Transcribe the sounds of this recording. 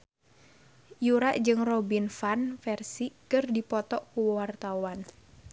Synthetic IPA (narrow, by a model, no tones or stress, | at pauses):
juɾaʔd͡ʒɨŋrɔbinfanfɛrsikɨrdipɔt̪ɔʔkuwart̪awan